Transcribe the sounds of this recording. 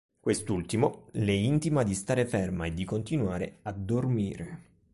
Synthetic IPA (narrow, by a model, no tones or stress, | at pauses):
kwest̪ult̪imolɛint̪imad̪ist̪aːɾefɛrmaed̪ːikont̪inwaːɾead̪ːormiːɾe